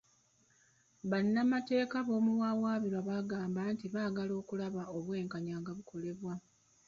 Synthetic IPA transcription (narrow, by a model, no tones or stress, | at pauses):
βanːamate̞ːkaβo̞ːmuwaːwaːβiɾwaβaɡaːmbaːntiβaːɡalo̞ːkulaβao̞βwe̞ːŋkaɲaːŋɡaβukʰo̞le̞βwa